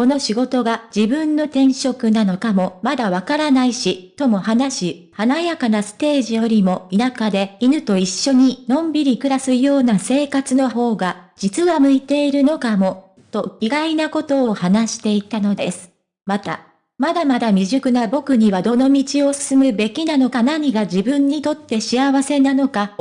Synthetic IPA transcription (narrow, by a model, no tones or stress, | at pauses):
ko̞no̞ɕiɡo̞t̪o̞ɡad͡ʑibɯ̟̃nːo̞t̪ẽ̞ɰ̃ɕo̞kɯ̟nano̞kamo̞mad̪aβ̞akaɾanaiɕit̪o̞mo̞hanaɕihanajakanasɨ̥t̪e̞ːʑijo̞ɾʲimo̞inakad̪e̞inɯ̟t̪o̞iɕːo̞ɲ̟inõ̞mbʲiɾʲikɯ̟ɾasɨjo̞ːnase̞ːkat͡sɨno̞ɦo̞ːɡad͡ʑit͡sɨβamɯ̟it̪e̞iɾɯ̟no̞kamo̞ | t̪o̞iɡainako̞t̪o̞ːhanaɕi̥t̪e̞it̪ano̞d̪e̞sɨ̥ | mat̪a̰ | mad̪amad̪amʲiʑɨkɯ̟nabo̞kɯ̟ɲ̟iβad̪o̞no̞mʲit͡ɕio̞sɨ̥sɨmɯ̟be̞kʲinano̞kanaɲ̟iɡaʑibɯ̟̃ɲ̟ːit̪o̞t̪ːe̞ɕiaβase̞nano̞ka